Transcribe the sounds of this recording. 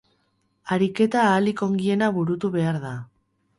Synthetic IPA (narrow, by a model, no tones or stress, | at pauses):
aɾike̞t̪aːliko̞ŋɡie̞naβuɾut̪uβe̞aɾða